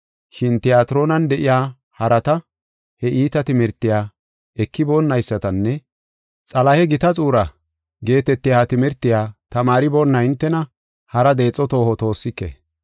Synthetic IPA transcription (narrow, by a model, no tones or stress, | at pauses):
ʃɪnt̪ɪjaːt̪ɪɾo̞ːnɐnd̪ɛʔɪjaː | hɐɾɐt̪ɐ | hɛʔiːt̪ɐt̪ɪmɛɾt̪ːɪjaː | ɛkːɪboːnːɐjsːɐt̪ɐnːɛ | t͡sʼɐlɐhɛɡɪt̪ɐt͡sʼuːɾɐ | ɡe̞ːt̪ɛt̪ːɪjaːt̪ɪmɛɾt̪ːɪjaːt̪ɐmaːɾɪbo̞ːnːɐɪnt̪ːɛnɐ | hɐɾɐd̪e̞ːt͡sʼːɔt̪o̞ːhɔt̪o̞ːsːɪkːḛ